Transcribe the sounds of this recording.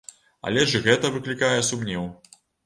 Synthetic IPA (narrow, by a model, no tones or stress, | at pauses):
ɐ̰lʲɛʐɣɛt̪ɐvɨklʲikajɛsumnʲɛw